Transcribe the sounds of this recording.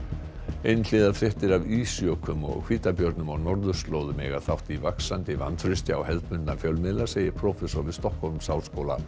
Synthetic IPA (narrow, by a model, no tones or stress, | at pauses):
ejnɪːðafɾɪht̪ɪɾaviːsjœkʰʏmɔ̰ɣkʰv̥iːt̪apjœɾt̪nʏmawnɔɾðʏst̪loːwðʏmɛ̰ːɣaθawht̪ivaksant̪ɪva̰nːfɾʏst̪jaa̰whɛlt̪mʏnnafjœwlmɪlḁseːjɪɾpʰɾɔfɛsɔɾvɪðst̪ɔhkhɔlmsawskoːwla̰